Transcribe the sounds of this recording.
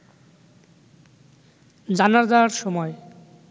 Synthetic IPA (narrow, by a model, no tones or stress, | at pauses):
d͡ʑanaɾd͡ʑawaɾʃɔmɔe